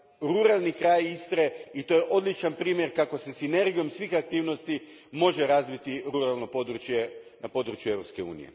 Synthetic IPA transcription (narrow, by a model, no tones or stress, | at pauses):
ɾuɾalˠnikɾaːjist̪ɾeit̪o̞ːjeʔo̞d̪lit͡ʃanpɾiːmje̞ɾkako̞se̞sine̞ɾɡijo̞msʋixak̚t̪iːʋno̞st̪imo̞ʒeɾazʋit̪iɾuɾalˠno̞pod̪ɾut͡ʃje | napo̞d̪ɾut͡ʃjueʋɾo̞pske̞ṵːnḭḛ